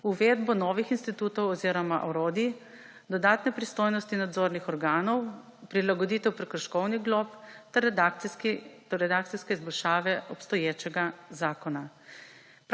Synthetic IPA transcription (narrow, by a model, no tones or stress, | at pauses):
uʋeːd̪bɔnɔːʋixinst̪it̪uːt̪ɔwɔziːɾɔmaʔɔɾoːd̪i | d̪ɔd̪aːt̪nɛpɾist̪oːjnɔst̪inad̪zoːɾnixɔɾɡaːnɔw | pɾilaɡɔd̪iːt̪ɛwpɾɛkɾɔʃkɔwniɡlɔpt̪ɛɾ | t̪ɔɛd̪aːk̚t̪siskɛizbɔlʃaːʋɛɔpst̪ɔjeːt͡ʃɛɡazaːkɔna